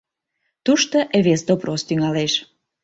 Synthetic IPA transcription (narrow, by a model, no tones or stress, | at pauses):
t̪uʃt̪oʔeβesd̪obrost̪yŋɑleʃ